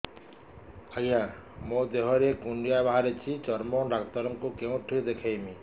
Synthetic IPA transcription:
ajamod̪eɦɔɾekuɳɖijabaɦaɾet͡ʃʰit͡ʃɔɾmɔɾakt̪ɔɾɔŋkukew̃ʈʰujd̪ekʰajmi

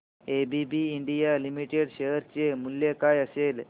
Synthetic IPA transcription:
ebibiːɳɖijalimiʈeɽɕeɦɾt͡ɕemuljekajəsel

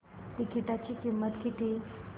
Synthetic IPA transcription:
ʈikiʈat͡ɕikimːət̪kit̪i

